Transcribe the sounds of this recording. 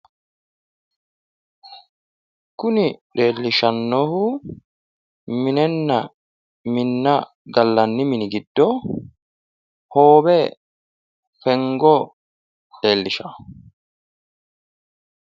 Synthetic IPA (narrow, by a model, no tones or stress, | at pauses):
kʊnɪɗeːlːɪʃɐnːɔhʊ | mɪnɛnːɐ | mɪnːɐ | ɡɐlːɐnːɪmɪnɪɡɪd̪̥ːɔ | hoːbɛ | fɛŋɡɔ | ɗeːlːɪʃɐ